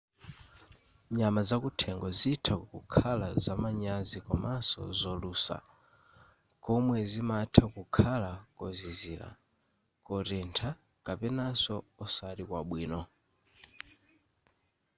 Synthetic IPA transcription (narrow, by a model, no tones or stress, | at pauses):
ɲamazakutʰɛŋɡɔziːtʰakkukʰalazamaɲazikɔmasɔ̰zɔluːsa̰ | kɔmwɛzimatʰakukʰalakɔziziːla̰ | kɔɾɛntʰa | kapɛnasɔɔsaɾikwaɓwiːnɔ